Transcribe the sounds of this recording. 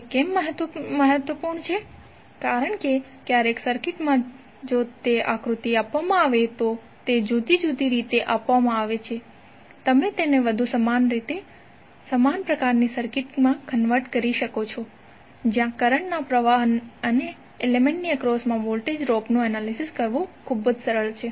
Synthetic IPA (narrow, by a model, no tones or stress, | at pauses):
kemːəɦət̪məɦət̪ʋəpuɾɳt͡ʃʰe | kaɾəɳke | kjaɾeksəɾkɪʈmã | d͡ʒot̪eʔa̰kɾut̪iapʋamãaʋet̪o | t̪ed͡ʒud̪ʱid͡ʒud̪ʱiɾit̪eʔapʋamãaʋet͡ʃʰe | t̪əmẽt̪eneʋəd̪ʱusəmanɾit̪e | səmanpɾəkaɾnisəɾkɪʈmãkənʋəɾʈkəɾiʃəkot͡ʃʰo | d͡ʒjãkəɾəɳnapɾəʋaɦənəne | elemẽɳʈniəkɾosmãʋolʈed͡ʒɾopnũɛnalisiskəɾʋõkʰubəd͡ʒsəɾəɭt͡ʃʰe